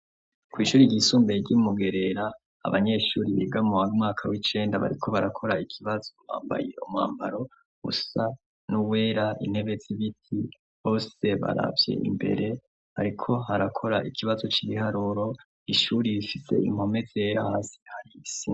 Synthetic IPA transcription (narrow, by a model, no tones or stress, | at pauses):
kwiːʃuːɾiɟisuːmbeɟimuɡe̞ɾe̞ɾa̰ː | βaɲe̞ʃuːɾiβiɡamuwaumŋaːkʰawit͡ʃe̞ːndaβa̰ɾikʰo̞βaɾakʰo̞ɾaikʰiβazoma̰ːmba̰jeuma̰ːmba̰ɾo̞ | ɡṵsa | nuwe̞ːɾaʔḭn̥he̞βe̞ziβitʰi | ho̞se̞βa̰ɾa̰vje̞̰ʔḭmbe̞̰ɾe̞ | ha̰ɾikʰo̞haɾakʰo̞ɾaʔikʰiβazo̞t͡ʃiβihaɾuɾo̞ | iʃuɾiβifise̞̰ḭm̥ho̞me̞z̥eɾahaːsi̥haɾisi